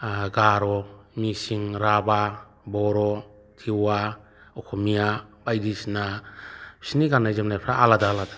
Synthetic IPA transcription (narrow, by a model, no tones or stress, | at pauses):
ɡaɾɔmisiŋɾaba | bɔɾɔ | tʰiwa | ɔkʰɔmijabajdisnḁ | siniɡanajzamnajpʰɾaʔaladaːlada